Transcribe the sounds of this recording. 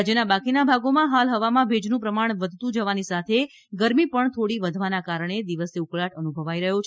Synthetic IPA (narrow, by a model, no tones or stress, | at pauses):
d͡ʒənabakinabʱaɡomãɦalɦəʋamãbʱed͡ʒnũpɾəmaɳ̃ʋəd̪ʱt̪ũd͡ʒəʋanisat̪ʰe | ɡəɾmipəɳt̪ʰoɽiʋəd̪ʱʋanakaɾəɳ̃ed̪iʋəseukɭaʈənubʱəʋaiɾəɦot͡ʃʰ